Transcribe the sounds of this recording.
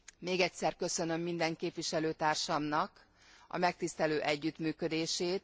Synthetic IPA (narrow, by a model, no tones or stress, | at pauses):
meːɡɛcsɛrkø̞sø̞nø̞mːind̪ɛŋkeːpʋiʃɛløːt̪aːrʃɒmnɒk | ɒ̰mɛk̚t̪ist̪ɛløːʔɛɟːyt̪myːkø̞d̪eːʃeːt̪̚